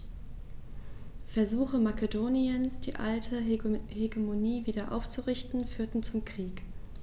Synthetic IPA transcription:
fɛɐzuːxəmakədoːniənsd̥ḭːʔa̰ltʰəheɡemoniːviːdɐʔa̰ʊft͡suʁɪçtn̩fyːɐtn̩t͡sʊmkʁ̥iːk

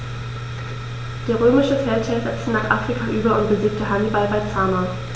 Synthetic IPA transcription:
d̥eːɐʁ̞øːmɪʃəfɛɐntʰɛːzɛt͡stənaːχʔafʁ̥ikʰaʔyːbɐʊntb̥əziːk̚təɦanibalbaɪt͡saːmɐ

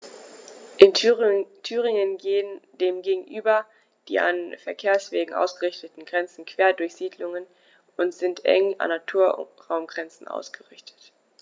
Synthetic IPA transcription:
ʔɪntʰyːʁɪŋənɡeːəndeːmɡeːɡŋ̩ʔyːbɐ | d̥ḭːʔa̰nfɛɐkʰeːɐsv̥eːɡŋ̩ʔa̰ʊsɡ̥əʁɪçtətn̩ɡʁɛnt͡sn̩kv̥eːɐdʊɐçz̥iːdlʊŋən | ʔʊntz̥ɪntʔɛ̰ŋʔa̰nːatʰuːɐʁaʊmɡʁɛnt͡sn̩ʔa̰ʊsɡ̥əʁɪçtʰə̥t

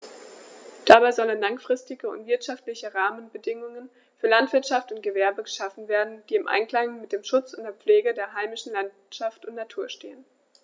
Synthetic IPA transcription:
d̥abaɪzɔlənlaŋfʁ̥ɪstɪɡəʊ̰ntv̥ɪɐtʃaftlɪçəʁaːmənbədɪŋʊŋən | fyːɐlantv̥ɪɐtʃaftʊnt̚ɡ̥əvɛɐbəɡəʃafn̩veːɐdn̩d̥iːɪmʔa̰ɪnklaŋmɪt̚d̥eːmʃʊt͡sʊntd̥eːɐp͡fleːɡədeːɐɦaɪmɪʃn̩lan | ʃaftʊntnatʰuːɐʃteːən

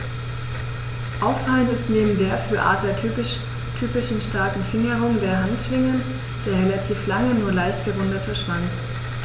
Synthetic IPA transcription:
ʔaʊffaləntɪstneːbm̩deːɐfyːɐʔa̰ːdlɐ | tʰyːpɪʃn̩ʃtaɐkŋ̩fɪŋəʁʊŋdeːɐɦantʃv̥ɪŋən | d̥eːɐʁelatʰiːflaŋənuːɐlaɪçtɡ̥əvʊndɐtʰəʃv̥aŋk

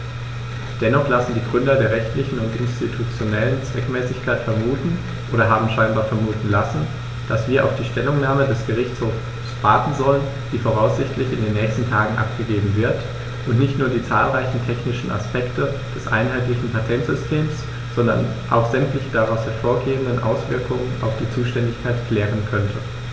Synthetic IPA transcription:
d̥ɛnɔχlasn̩diːɡʁʏndɐdeːɐʁɛçtlɪçn̩ʊntʔɪ̰nstitʰut͡sjonɛlənt͡sv̥ɛkmɛːsɪçkʰaɪtfɛɐmuːtn̩ | ʔoːɾɐɦaːbm̩ʃaɪnbaːɐfɛɐmuːtn̩lasn̩ | d̥asv̥iːɐʔa̰ʊfd̥iːʃtɛlʊŋnaːmədɛsɡ̥əʁɪçt͡shoːf | sv̥aɐtn̩zɔlən | d̥iːfoʁ̞aʊsz̥ɪçtlɪçɪndeːnːɛːçstn̩tʰaːɡŋ̩ʔa̰pɡ̥əɡeːbm̩vɪɐt | ʔʊntnɪçtnuːɐdiːt͡sa̰ːlʁaɪçn̩tʰɛçnɪʃn̩ʔa̰spɛktʰə | d̥ɛsʔa̰ɪnɦaɪtlɪçn̩pʰatʰɛntz̥ʏstʰeːms | z̥ɔndɐ̰n | ʔa̰ʊxz̥ɛmtlɪçəd̥aʁaʊshɛɐfoːɐɡeːbn̩dənʔa̰ʊsv̥ɪɐkʰʊŋənʔa̰ʊfd̥iːt͡suːʃtɛndɪçkʰaɪtkʰl̥ɛːʁ̞ənkʰœntʰə

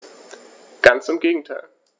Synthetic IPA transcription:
ɡ̥ant͡sɪmɡeːɡŋ̩tʰaɪl

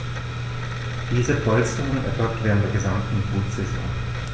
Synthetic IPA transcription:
d̥iːzəfʰɔlstoːnənʔɛɐfɔk̚tv̥eːʁntd̥eːɐɡəzamtn̩buːtz̥ɛzɔ̰̃ŋ

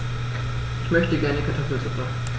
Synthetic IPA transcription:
ʔɪçmœçtəɡɛɐnəkʰaɐtʰɔfl̩t͡sʊfan

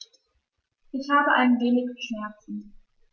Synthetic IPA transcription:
ʔɪçhaːbəʔaɪnənveːnɪçəʃnɛɐt͡sn̩

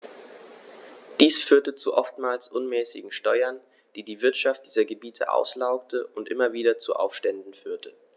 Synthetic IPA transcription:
d̥iːsfyːɐtət͡sṵʔɔftmaːlsʔʊnmɛːsɪ̰ɡŋ̩ʃtɔʏɐn | d̥iːdiːvɪɐtʃaft̚d̥iːzɐɡəbiːtʰə̰ʔa̰ʊslaʊk̚təʔʊntʔɪmɐviːdɐt͡sṵʔa̰ʊfʃtɛndn̩fyːɐtʰə

